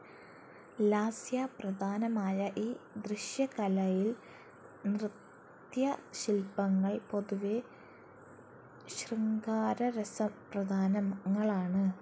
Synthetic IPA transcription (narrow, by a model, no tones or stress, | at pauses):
laːsjaprɐd̪ʱaːnɐmaːjɐʔiːd̪riɕjɐkɐlɐjil | nrɨt̪ | jɐɕilpɐŋːɐɭpo̞ðuʋe | ɕriŋɡaːɾɐɾesɐprɐd̪ʱaːnɐmŋːɐɭaːɳɨ